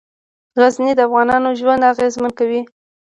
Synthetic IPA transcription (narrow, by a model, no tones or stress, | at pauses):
ɣaznid̪əafɣɑnɑnoʒwand̪aɣezmankawi